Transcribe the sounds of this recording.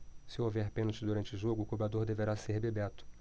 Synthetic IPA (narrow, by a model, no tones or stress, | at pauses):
sɪowvɛɾpẽnʊt͡ʃɪzd̪uɾɐ̃nt͡ʃɪʊʒoɡʊːkubɾad̪oɾd̪eveɾaseɾbebɛt̪ʊ̥